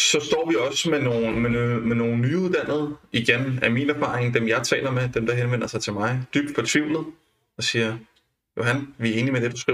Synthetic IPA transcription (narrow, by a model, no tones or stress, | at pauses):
sɒ̽sd̥ɒ̰ːʋiɒ̽smeno̝ːnmemeno̝ːn̩ːyuðˠd̥æn̰ð̩ˠiɡ̥enæminæɐfɑ̈ːʁeŋd̥emjɑ̈ɪt͡sʰɛ̰ːlɐmed̥emd̥ɑ̈ɦenʋen̰ɐsɑ̈ɪt͡sʰe̝lmɑ̈ɪd̥yb̥̚d̥fɒ̽t͡sʰʋiʊlð̩ˠ | ɒ̽siːɐ | jo̝hænʋiæɐe̝ːnimed̥e̝d̥usɡ̥ʁḭ